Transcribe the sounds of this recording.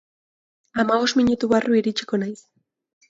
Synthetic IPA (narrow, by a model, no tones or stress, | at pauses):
amaβo̞smiɲut̪uβarʔuiɾit͡ʃi̥ko̞najs